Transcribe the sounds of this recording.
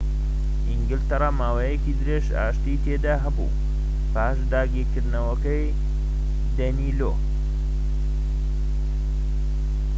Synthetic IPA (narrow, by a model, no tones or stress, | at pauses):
ʔiŋɡɪlt̪ɐɾˤɑmaːwejekid̪ɨɾeʃa̰ːʃt̪it̪ʰeːd̪aɦɐbṵ | paːʃd̪aːɡiːɾkɨɾd̪nɐwɐkɐj | d̪ɐnilo̰